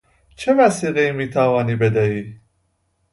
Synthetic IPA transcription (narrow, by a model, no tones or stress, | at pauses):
t͡ʃʰɛvæsiːɣɛimiːt̪ʰavɑːnibɛd̪æi